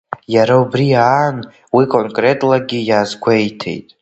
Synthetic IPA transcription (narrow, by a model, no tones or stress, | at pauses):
jaɾaubrian | wikʼonkʼre̞tʼlaɡʲijaːzɡʷʰejtʰe̞̰jtʼ